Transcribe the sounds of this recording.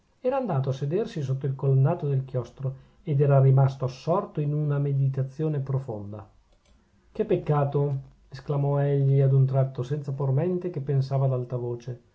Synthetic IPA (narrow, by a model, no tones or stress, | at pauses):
ɛːɾaːnd̪aːt̪̬oasːed̪ersis̬ot̪ːoilkolonːaːt̪od̪elkjɔst̪ɾo | ed̪ɛːɾarimast̪oasːɔrt̪oinunamed̪it̪at̪sːjoːnepɾofond̪a̰ | kepːekːaːt̪o | esklamɔɛʎːiad̪unt̪ɾat̪ːosɛnt̪sapormɛnt̪ekepːensaːvad̪alt̪avoːt͡ʃe